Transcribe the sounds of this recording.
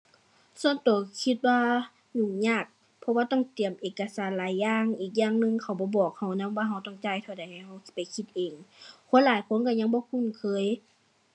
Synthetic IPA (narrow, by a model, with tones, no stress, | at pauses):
su˧˩˨nt̪oː˨˩kʰi˧˥t̪̚waː˧ | ɲu˧˩ŋɲaː˧˩k̚ | pʰɔ˧waː˧t̪ɔ˧˥˨ŋt̪i˨˩əmʔeː˨˩kːa˧saː˨˦nlaː˨˦jːaː˧ŋʔiː˨˩k̬̚ɲaː˧˨ŋnɯ˧ŋkʰa˨˩wbɔː˧˦bɔː˨˩k̚ha˧˩wna˧˥mwaː˧˩ɦa˧˩wt̪ɔ˧˩ŋt͡ɕa˧˩jt̪ʰa˧˩˨da˨˩jha˨˩jha˧˩wpa˨jkʰi˧t̪̚ʔeː˨˩ŋkʰo˧˥˨nlaː˨˦jkʰo˧˥˨nka˧˩ɲa˧˥˨ŋbɔː˧˦kʰu˧˥˨nkʰɤː˧˥˨j